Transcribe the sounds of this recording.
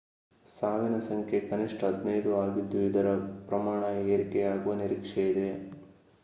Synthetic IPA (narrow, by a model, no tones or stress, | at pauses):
saːʋinɐsɐŋkʰjekɐniʂʈɐɦɐd̪nɐjd̪uaːɡid̪ːuid̪ɐɾɐpɾɐmaːɳɐeːɾikɛjaːɡuʋɐniɾikʂejid̪e̞